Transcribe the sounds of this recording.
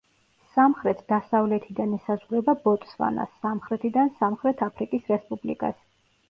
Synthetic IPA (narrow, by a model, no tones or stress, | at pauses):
samχɾɛt̪ʰd̪asavlɛt̪ʰid̪anɛsazʁɾɛbabɔt̪ʼsva̰na̰sːamχɾɛt̪ʰid̪ansamχɾɛt̪ʰapʰɾikʼisɾɛspʼublḭkʼa̰s